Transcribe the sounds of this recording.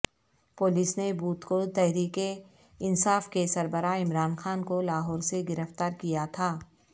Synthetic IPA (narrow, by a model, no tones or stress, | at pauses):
pʊːlisnebuːt̪kot̪ɛɦɾiːke | ɪnsaːfkesɐɾbəɾaːɪmɾaːnxaːnkolaːɦɔːɾseɡɪɾəft̪aːɾkijat̪ʰaː